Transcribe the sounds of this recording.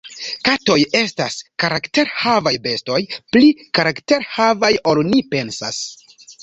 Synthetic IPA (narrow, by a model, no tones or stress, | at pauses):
kato̞je̞staskaɾakte̞ɾhavajbe̞sto̞jplikaɾakte̞ɾhavajolnipe̞nsa̰s